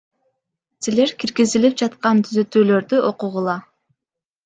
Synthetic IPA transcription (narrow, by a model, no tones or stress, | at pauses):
sile̞ɾkiɾɡizilip̚d͡ʒɑt̪qɑnt̪ʰyzø̞t̪yːlø̞ɾd̪yʔo̞quʁulˠɑ